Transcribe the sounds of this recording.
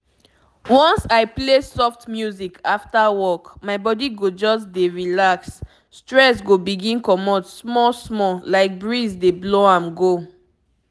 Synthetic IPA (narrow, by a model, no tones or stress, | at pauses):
wɔ̃nsaɪplesɔftmjuzikʰaftawɔkmaɪbɔdiɡod͡ʒɔsdeɹilaksː | tɹɛsɡobiɡĩnkɔmɔtsmɔsmɔlaɪk̚bɹizdebloãmɡo